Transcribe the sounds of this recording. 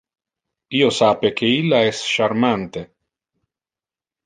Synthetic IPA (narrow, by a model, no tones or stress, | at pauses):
iːosaːpek̟ʰeilːaɛsʃarmant̪e